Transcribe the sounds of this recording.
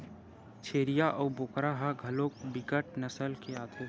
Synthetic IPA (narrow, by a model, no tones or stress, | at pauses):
t͡ʃʰeːɾijaʔɔːboːkɾaɦaɡʱəlok̚bɪkəʈ̚nəsəlkeaːt̪ʰe